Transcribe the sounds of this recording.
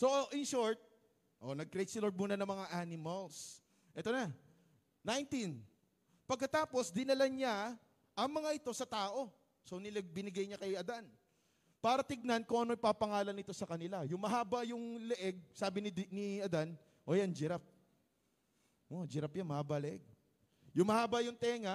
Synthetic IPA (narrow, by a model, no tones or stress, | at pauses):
so̞ʔɪnʃoɹt̪̚ | ʔonɐɡ̚kɾɛjt̪̚sɪloɹd̪̚muːnɐnɐŋmɐŋaʔanɪmɐls | ʔɛt̪o̞na | najnt̪in | pɐɡ̚kɐt̪aːpo̞sd̪ɪnɐlaɲa | ʔɐŋmɐŋaʔɪt̪o̞sɐt̪aːʔo̞ | so̞nɪlɛɡ̚bɪnɪɡajɲakɐjɐd̪an | paːɾɐt̪ɪɡ̚nankʊŋʔɐno̞ʔjpaːpɐŋaːlɐnɪt̪o̞sɐkɐnɪlajʊŋmɐɦaːbɐjʊŋlɛʔɛɡ̚saːbɪnɪnɪʔɐd̪an | ʔoːjand͡ʒɪɾap̚ | ʔod͡ʒɪɾɐpjanmɐhaːbɐlɛʔɛɡ̚ | jʊŋmɐhaːbɐjʊŋt̪ɛːŋɐ